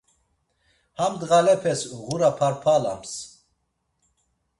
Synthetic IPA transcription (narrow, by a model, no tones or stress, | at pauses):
hamd̪ɣalɛpʰɛsɣuɾapʰaɾpʰala̰ms